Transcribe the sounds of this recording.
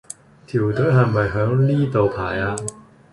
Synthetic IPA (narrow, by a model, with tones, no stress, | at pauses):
t̪ʰiː˨˩wt̪ɵ˨˥ɦɐ˨˩jmɐ˨jɦœː˨˥ŋniː˥t̪o˨wpʰaː˨˩jaː˧